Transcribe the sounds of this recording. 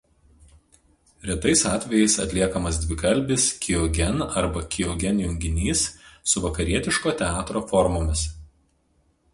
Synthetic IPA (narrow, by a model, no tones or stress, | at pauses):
ɾʲiɛt̪ɐɪsɑːt̪ʲʋʲɛjɛɪsɐ̰t̪ʲlʲiɛkɐmɐsd̪ʲʋʲɪkɐlʲbʲɪskʲɪɔɡʲɛnɐɾbɐkʲʰɪɔɡʲɛnjʊŋʲɡʲɪnʲiːsːʊʋɐkɐɾʲiɛt̪ʲɪʃkoːt̪ʲɛɑːt̪ɾoːfɔɾmoːmʲɪs